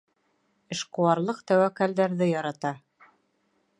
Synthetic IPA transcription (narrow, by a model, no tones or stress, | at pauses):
ɘ̆ʃqŭwɑɾlˠɤqt̪æwækæld̪æɾðɘjɑɾɑt̪ɑ